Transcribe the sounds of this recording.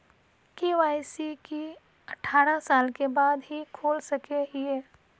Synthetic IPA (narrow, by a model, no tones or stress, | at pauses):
keʋaːɪsiki | ɐʈʰaːɾasaːlkebaːd̪ɦikʰoːlsɐkeɦieː